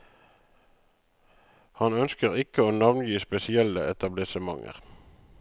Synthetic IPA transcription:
hɑnœnskəʁɪkəoːnɑʋnjiːspɛsɪɛləɛt̪ɑblɪsəmɑŋə̰ʁ

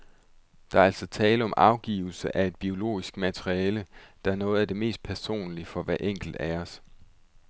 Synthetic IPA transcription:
d̥ɑ̈æɐæl̰sɒ̽t͡sʰɛːləɒ̽mʔɑ̈ʊɡ̥ḭːʊl̩səʔæe̝d̥̚b̥io̝lo̝̰ːisɡ̥mæt͡sʰʁiɛːləd̥ɑ̈æɐnɔ̽ːð̞̩ˠæd̥e̝me̝̰ːsd̥̚pʰæɐso̝̰ːnlifɒ̽ʋæʔeŋ̰ɡ̥l̩d̥æɒs

